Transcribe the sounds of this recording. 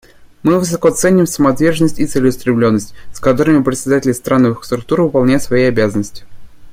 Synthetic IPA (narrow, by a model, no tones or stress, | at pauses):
mɨvɨs̬ɐkot̪sɛnʲɪmsəmɐt̪vʲerʐənːəsʲtʲit̪sɨlʲɪʊst̪ɾʲɪmlʲo̞nːəsʲtʲskɐt̪o̞ɾɨmʲɪpɾʲɪt̪sʲɪd̪atʲɪlʲɪst̪ɾʔanːəvɨxst̪ɾʊk̚t̪uɾvɨpɐlˠnʲæjɪt̪svɐjejɐbʲazənːəsʲtʲɪ̥